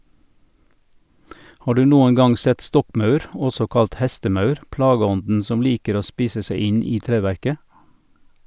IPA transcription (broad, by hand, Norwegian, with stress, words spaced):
ˈhɑː ˈɖʉː ˈnuːən ˈɡɑŋ ˈsɛt ˈstɔkˌmɑʉɾ ˈɔsɔ ˈkɑlt ˈhɛstəˌmɑʉɾ ˈplɑːɡəˌɔndn̩ ˈsɔm ˈliːkəɾ ˈoː ˈspiːsə ˈsæɪ ˈɪn ˈiː ˈtɾeːˌʋæɾkə